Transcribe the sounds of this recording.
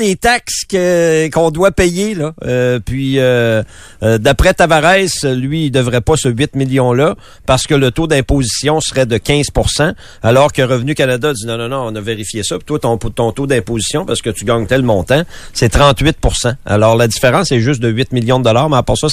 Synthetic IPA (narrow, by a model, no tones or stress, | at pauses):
d̪et̪akskəkɔ̃d̪wapɛjelʌːpɥiøː | d̪apʁɛt̪avaʁɛɪslɥiːd̪əvʁɛpʌsəɥɪt̪miljɔ̃lʌ | paʁsə̥kələt̪od̪ɛ̃pozisjɔ̃sʁɛd̪əkʲɛ̃z̥puʁsã | alɔːʁkəʁəvnykanad̪ainɔ̃nɔ̃nɔ̃ːnʌveʁifjesʌpi̥t̪wat̪ɔ̃t̪ɔ̃t̪od̪ɛ̃pozisjɔ̃paʁsə̥kət̪yɡɑ̃ːɲt̪ɛlmɔ̃ːt̪ãsɛt̪ʁɑ̃t̪ɥɪt̪̚puʁsãa̰lɔːʁladd͡zifeʁɑ̃sɛʒʏst̪̚d̪əɥɪt̪miljɔ̃d̪əd̪ɔlaːʁmɛapɔʁsʌ